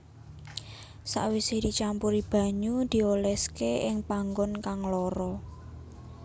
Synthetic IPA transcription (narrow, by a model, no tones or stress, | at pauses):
sa̰ʔwised̪̥i̤t͡ʃampuɾib̥ä̤ɲud̪̥i̤olɛskeɪŋpaŋɡɔnkaŋlɔɾɔ